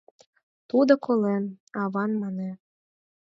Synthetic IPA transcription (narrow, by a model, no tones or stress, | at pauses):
t̪ud̪ŏkolenɑβɑnmɑne